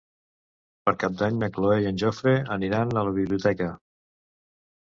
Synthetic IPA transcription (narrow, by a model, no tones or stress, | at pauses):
pəɾkap̚d̪aɲməkloejənʲʒofɾeəniɾanələβ̞iβliut̪ɛkə